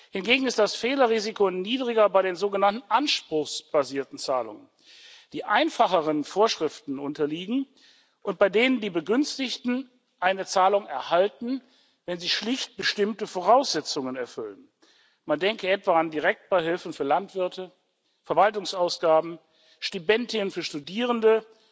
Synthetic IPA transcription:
hɪnɡeːɡŋ̩ɪst̚d̥asfeːlɐʁiːzikoniːdʁɪɡɐbaɪɾeːnzoːɡənantn̩ʔanʃpʁ̥ʊxsb̥aziːɐtn̩t͡saːlʊ̰ŋən | d̥iːʔaɪnfaχəʁənfoːɐʃʁ̥ɪftn̩ʔʊntɐliːɡŋ̩ | ʔʊnt̚b̥aɪdeːnəndiːbəɡʏnstɪçtn̩ | ʔaɪnət͡saːlʊŋɛɐhaltn̩ | vɛnziːʃlɪçt̚b̥əʃtɪmtəfoʁ̞aʊsz̥ɛt͡sʊŋənɛɐfʏlən | mandɛŋkəɛtv̥aːandiʁɛk̚t̚b̥aɪɦɪlfn̩fyːɐlantv̥ɪɐtʰə | fɛɐvaltʊŋsaʊsɡ̥aːbm̩ | ʃtibɛntɪənfyːɐʃtudiːʁ̞əndə

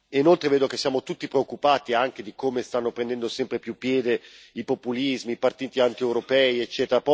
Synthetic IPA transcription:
inolt̪ɾeveːd̪ok̟esːjaːmot̪ut̪ːipɾeokːupaːt̪iaŋk̟ed̪ikomest̪anːopɾend̪ɛnd̪osɛmpɾepjupːjɛːd̪e | ipopːulizmiːpart̪iːt̪iant̪iɛwɾopɛːiet͡ʃːɛːt̪eɾapɔ

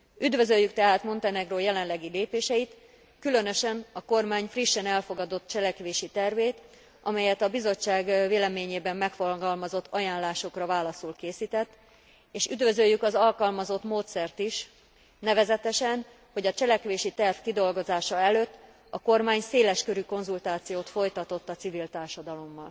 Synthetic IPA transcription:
yd̪vø̞zøjːykt̪ɛɦaːt̪mo̞nt̪ɛnɛɡroːjɛlɛnlɛɡileːpeːʃɛjit̪ | kylø̞nø̞ʃɛnɒko̞rmaːɲfriʃːɛnɛlfo̞ɡɒd̪o̞t̪t͡ʃɛlɛkʋeːʃit̪ɛrveːt̪ | ʔɒmɛjɛt̪ɒbizo̞t͡ʃːaːɡveːlɛmeːɲeːbɛmːɛkfoɡɒlmɒzo̞t̪ːɒjaːnlːaːʃo̞krɒvaːlɒsulkeːsit̪ɛt̪ː | eːʃyd̪vø̞zøjːykɒzɒlkɒlmɒzo̞t̪moːt̪sɛrt̪iʃ | nɛvɛzɛt̪ɛʃɛn | ho̞ɟɒt͡ʃɛlɛkʋeːʃit̪ɛrfkid̪o̞lɡo̞zaːʃɒɛløt̪ː | ɒko̞rmaːɲseːlɛʃkø̞ɾyko̞nzult̪aːt̪sijoːt̪fo̞jt̪ɒt̪o̞t̪ːɒt̪sivilt̪aːrʃɒd̪ɒlo̞mːɒl

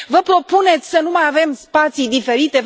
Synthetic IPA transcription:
vəpɾo̞pune̞t̪sʲsənumajave̞mspat̪sijd̪ife̞ɾit̪e̞

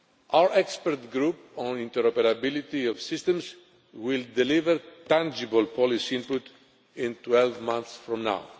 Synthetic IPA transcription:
awəɹʔɛkspəɾt̪ɡɾup | õnĩnt̪eɾopeɾabilit̪iɔvsist̪ẽms | wild̪elivəɾt̪ãnd͡ʒibəlpʰɔlisiĩnput̪ | ĩnt̪wɛlvmãnθsfɹɔ̃mna̰ʊ

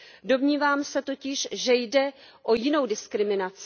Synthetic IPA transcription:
do̞mɲiːvaːmsɛt̪o̞cɪʃʒɛjdɛʔo̞jɪno̞wdɪskɾɪmɪnat͡sɪ

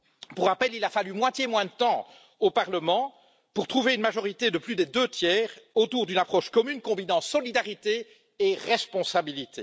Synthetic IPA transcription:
puʁapɛlilafalymwat̪jemwɛ̃d̪ət̪ɑ̃ | opaʁləmɑ̃ | puʁt̪χuveynmaʒɔʁit̪ed̪əplyd̪ɛd̪øt̪jɛːʁot̪uʁd̪ynapχɔʃkɔmynkɔ̃binɑ̃sɔlid̪aʁit̪e | eʁɛspɔ̃sabilit̪ʰe

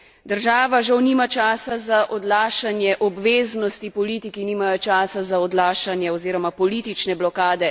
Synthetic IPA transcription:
d̪əɾʒaːʋaʒawniːmat͡ʃaːsazaʔɔd̪laːʃanjɛʔɔbʋeːznɔst̪ipɔliːt̪ikiniːmajɔt͡ʃaːsazaɔd̪laːʃanjɛɔziːɾɔmapɔlit̪it͡ʃnɛblɔkaːd̪ɛ

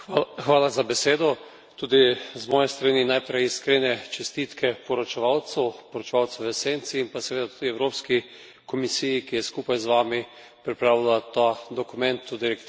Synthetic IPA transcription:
xʋaːlazabɛseːd̪ɔ | t̪uːd̪izmɔːjɛst̪ɾaninajpɾɛjiskɾenɛt͡ʃɛst̪it̪kʰɛpɔɾɔt͡ʃɛʋawt̪sɛwpɔɾɔt͡ʃɛʋaːw̪sɛʋəseːnt̪siːnpasɛʋeːd̪at̪ud̪iɛwɾoːpski | kɔmisijikijɛskuːpajzʋaːmi | pɾipɾaːʋilat̪ad̪ɔkumɛnt̪ud̪iɾɛk̪

